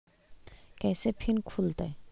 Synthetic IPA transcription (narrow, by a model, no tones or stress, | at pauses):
kɛjsepʰinkʰult̪a̰j